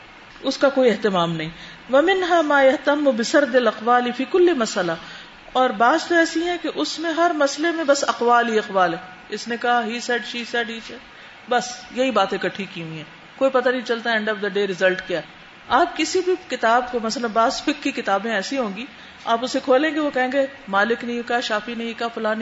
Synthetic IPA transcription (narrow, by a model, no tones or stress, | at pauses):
ʊskakoːiɪɦt̪ɪmaːmnɐɦĩ | ʋɐmɪnɦaːmaːjɐɦt̪ɐmːʊbɪsɐɾd̪ɪlɐqʋaːlifiːkʊlːemɐsəla | ɔːɾbaːzt̪oɛːsiɦɛ̃keʔʊsmẽɦɐɾmɐslemẽbɐsɐqʋaːlɦiɐqʋaːlɦɛː | ɪsnekɐɦaɦiːsɛːɖʃiːsɛːɖɦiːt͡ʃɛː | bɐsjɐɦibaːt̪ẽkɐʈʰːikɦiũːiɦɛː | koːipɐt̪anɐɦĩt͡ʃɐlt̪aɛɛ̃ɳɖɔːfd̪ɐɖeːɾɪzɐlʈkjaːɦɛ | aːp̚kɪsibʱikɪt̪aːbkomɐslɐ̃nbaːzfɪkːikɪt̪aːbẽɛːsiɦõːɡiː | aːpʊsekʰoːlẽːŋɡeʋokɐɦẽːŋɡemaːlɪknɐɦĩkɐɦaʃaːfinɐɦĩkɐfʊlaːn